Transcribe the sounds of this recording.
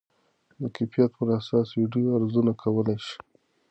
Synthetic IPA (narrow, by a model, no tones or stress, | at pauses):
d̪əkefijat̪̚pəɾasɑsɾiɖijoaɾzunakʰawəlajʃi̥